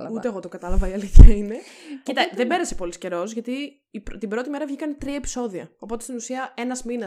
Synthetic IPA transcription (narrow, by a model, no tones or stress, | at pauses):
ut̪eeɣo̞t̪oŋɡɐt̪ɐlɐvɐiɐliθiɐine̞cit̪ɐððebe̞ɾɐse̞po̞lisce̞ɾo̞zʝɐt̪iː | pɾt̪ibɾo̞t̪ime̞ɾɐvʝikɐnet̪ɾiɐe̞pi̥so̞ðiɐ̰o̞po̞t̪e̞st̪inusiɐe̞nɐzminɐ